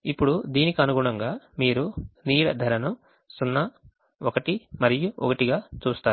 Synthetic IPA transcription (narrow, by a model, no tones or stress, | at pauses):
ipːuɽud̪iːnikiɐnuɡuɳɐŋɡaːmiːɾuniːɽɐ̰d̪ʱɐɾɐnu | sunːɐ | ɔkɐʈimɐɾijuɔkɐʈiɡaːt͡ʃuːst̪aːu